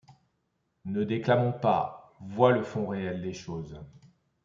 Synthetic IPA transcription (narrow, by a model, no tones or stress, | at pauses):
nəd̪eklamɔ̃pa̰ | vwaləfɔ̃ʁeɛld̪eʃoːz